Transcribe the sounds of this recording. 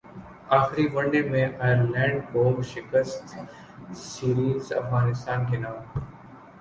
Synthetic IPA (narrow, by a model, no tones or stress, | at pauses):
aːxɾiʋɐ̃ɳɖemẽʔaːjəɾlɛ̃ːɳɖkoʃɪkəst̪ | siːɾiːzɐ̰fɣaːnɪst̪aːnkenaː